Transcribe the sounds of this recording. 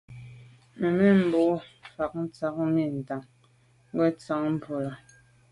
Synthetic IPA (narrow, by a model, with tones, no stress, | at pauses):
me˨me˦m̩˨bo˨˦fa˨k̚n̩˦t͡sa˨˦kmi˦˨n̩˨ta˨ŋ | ŋ˦ɡwɛ˦t͡sa˨˦ŋm̩˦˨po˨la˨